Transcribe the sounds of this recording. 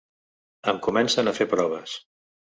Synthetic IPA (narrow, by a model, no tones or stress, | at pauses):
əmkumɛnsənafepɾɔβ̞əs